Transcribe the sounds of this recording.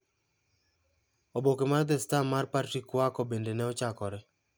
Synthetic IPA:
obokemard̪ɪstamːarpartikwakɔbendenɛɔt͡ʃakɔɾɛ

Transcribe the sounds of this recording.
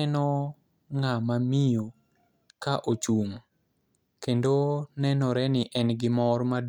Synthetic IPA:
ɛnɔ | ŋamamijo | kaʔot͡ʃuŋ | kendonɛnɔɾɛnɪʔɛnɡɪmɔrmad

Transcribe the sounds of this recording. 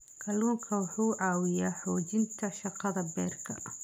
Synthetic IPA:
kʰɐluːŋkʰɐwʊħuːʕɑːwɪjaːħɔːt͡ʃɪnt̪ʰɐʃɑqɑðɐbɛːrkʰɐ

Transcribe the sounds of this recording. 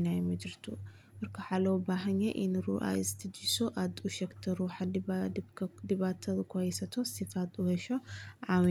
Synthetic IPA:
najmɨd̪ɾɨt̪ʰṵ | bɨɾkʰɐħalɐwbaɦɲeʔinɨɾuʔa̰jzɨt̪ʰɨd̪isoʔat̪ʼuʃɐkt̪ʰɐɾuħa | d̪iβat̪ʰːɐzkʰojsɐt̪ʰosifat̪ʼuhɐʃoʕaw

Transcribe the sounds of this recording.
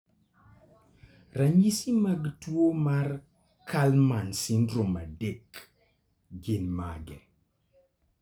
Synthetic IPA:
raɲisimaɡtwomar | kʰalmansindɾomadek | ɡɪnmaɡɛ

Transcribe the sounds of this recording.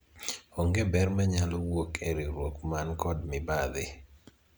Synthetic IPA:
oŋɡebɛrmaɲalɔwokʰeɾiɾwokmankɔdmɪbaðɪ

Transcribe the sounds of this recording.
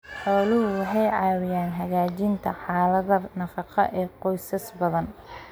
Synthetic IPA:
ħɔːlɪɦʊwɑħɑjʕɑːwɪjaːnɦɐɣaːt͡ʃɪnt̪ʰɐħɑːlɐðɐnɐfɑqɑ̰ʔɛːqɔjsɐsbɐðɐn

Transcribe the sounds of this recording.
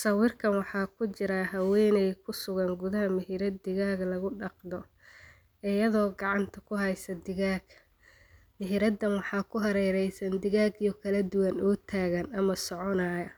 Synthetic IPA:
sɐwɪrkʰɐnwɑħɑːkʰʊt͡ʃɪɾaɦɐwɛːnɛjkʰʊsʊɣɐŋɡʊðɐɦɐmɪɦɪɾɐd̪ɪɣaːɡlɐɣʊɖɑqd̪ɔ | ɪjɐðɔːɡɑʕɑnt̪ʰɐkʰʊɦɛjsɐd̪ɪɣaːɡ | mɪɦiːɾɐd̪ːɐnwɑħɑːkʰʊɦɐɾɛjɾɛjsɐnd̪ɪɣaːɡijɔkʰɐlɐd̪ʊwɐnɔːt̪ʰaːɣɐnɐmɐsɔʕɔnaːjɐ

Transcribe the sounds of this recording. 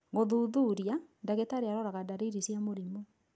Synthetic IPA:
ŋɡoðuðuɾjandaɣetaɾeaɾɔɾaɣadaɾiɾisjamoɾimɔ

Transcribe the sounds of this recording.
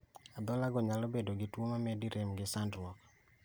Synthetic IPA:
ad̪ɔlaɡɔɲalobedoɡɪtwomamediɾʔemɡɪsandwɔk

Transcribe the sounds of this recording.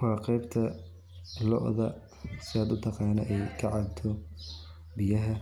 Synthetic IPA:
wɑːqɛjbt̪ʰɐ | lɔ̰ʔðɐ | sɪaːd̪ʊt̪ʰɑqɑːnɐ̰ʔɛjkʰɐʕɑd̪̚t̪ʰɔ | bɪjɐɦɐ

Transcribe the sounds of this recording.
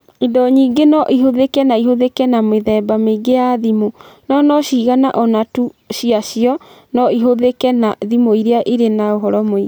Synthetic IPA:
idɔɲiːɡenɔʔiɦoðekɛnaiɦoðekɛnameðɛbameiɡejaðimonɔnɔɕiːɣanaʔɔnatuɕiaʃiɔ | nɔiɦoðekɛnaðimoiɾeaʔiɾenaoɦɔɾɔmoi

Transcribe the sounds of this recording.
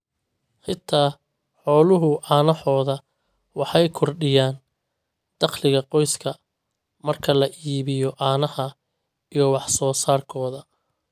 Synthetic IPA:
ħɪt̪ʰːaː | ħɔːlʊɦʊʔaːnɐħɔːðɐ | wɑħɑjkʰɔrɖɪjaːn | d̪̥ɑqlɪɣɐqɔjskʰɐ | mɐrkʰɐlɐʔiːβɪjɔʔaːnɐhɐ | ijɞwɑħsɔːsaːrkʰɔːðɐ

